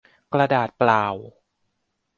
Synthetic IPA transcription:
kɾa˧daː˨˩t̪̚plaː˨˩w

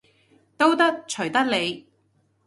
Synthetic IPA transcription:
t̪o˥wt̪ɐ˥k̚t͡ʃʰɵ˨˩t̪ɐ˥k̚le˨˧j

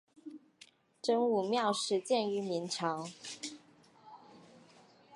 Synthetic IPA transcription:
ʈ͡ʂə˥ŋu˨˩mjɑ˥˧ʊʂɻ̩˧˥t͡ɕjɛ˥˩ny˧˥mi˧˥nʈ͡ʂʰɑ˧˥ŋ

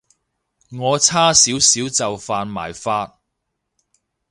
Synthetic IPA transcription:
ŋɔː˨˧t͡sʰaː˥siː˨˥wsiː˨˥wt͡sɐ˨wfaː˧nma̰ː˨˩jfaː˧t̚

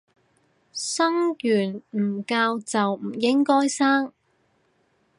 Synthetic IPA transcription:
sɐ˥ŋjyː˨˩nm̩ː˨˩kaː˧wt͡sɐ˨wm̩˨˩jɪ˥ŋkɔː˥jsaː˥ŋ

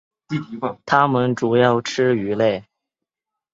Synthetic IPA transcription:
t̪ʰa˥mə˨nʈ͡ʂu˨˩jɑ˥˩ʊʈ͡ʂʰɻ̩˥y˧˥le˥˩ɪ

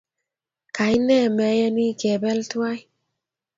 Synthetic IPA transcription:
ka˨jnɛ˦˨mɛ˨˦jɛ˦ni˦kɛ˨bɛ˦ltwa˦j

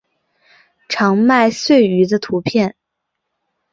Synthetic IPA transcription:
ʈ͡ʂʰɑ˧˥ŋma˥˧ɪswe˥˩ɪy˧˥d̪ə˧t̪ʰu˧˥pʰjɛ˥˩n

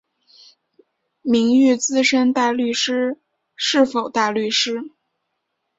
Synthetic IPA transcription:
mi˧˥ŋy˥˧t͡sɹ̩˥ʂə˥nt̪a˥˧ly˥˩ʂɻ̩˥ | ʂɻ̩˥˩fo˨˩ʊt̪a˥˧ly˥˩ʂɻ̩˥

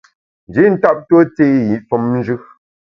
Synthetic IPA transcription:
n̩˨d͡ʒi˨˦n̩˦ta˦p̚to˦t͡se˦ji˨˦ʔfɔ˨mn̩˦d͡ʒʉ˦

